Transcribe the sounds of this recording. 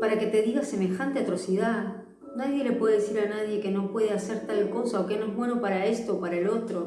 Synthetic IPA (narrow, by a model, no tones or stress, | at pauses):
paɾake̞t̪e̞ðiɣase̞me̞xant̪eat̪ɾo̞siða | naðje̞le̞pweðeesiɾanað̞je̞ke̞no̞pwe̞ð̞ease̞ɾt̪alko̞saoke̞noezmweno̞paɾae̞st̪oːpaɾaelo̞t̪ɾo̞